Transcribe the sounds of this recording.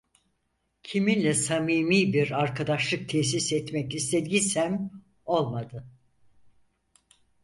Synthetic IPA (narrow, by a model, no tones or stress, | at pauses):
cʰiminlʲɛsamiːmiːbiɾaɾkʰad̪aʃlˠɯk̚t̪ʰɛçs̬isɛt̪mɛcist̪ʰed̪ɡisæm | o̞lˠmad̪ɯ